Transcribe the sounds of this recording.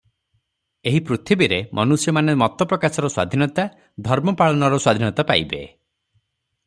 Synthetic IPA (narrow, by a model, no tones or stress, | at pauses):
eɦipɾut̪ʰibiɾemʔɔnusjɔmanemɔt̪ɔpɾɔkasɔɾɔswa̰d̪ʱinɔt̪a | d̪ʱɔɾmɔpaɭɔnɔɾɔswad̪ʱinɔt̪apa̰jbḛ